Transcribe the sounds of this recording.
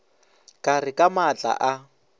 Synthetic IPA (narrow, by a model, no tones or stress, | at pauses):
kʼarɪkʼamat͡ɬʼa̰ʔa